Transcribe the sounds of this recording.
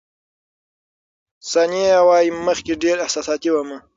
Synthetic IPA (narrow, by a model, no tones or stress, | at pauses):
saniawɑːjiməxkeɖeɾɪhsɑːsɑt̪iwamə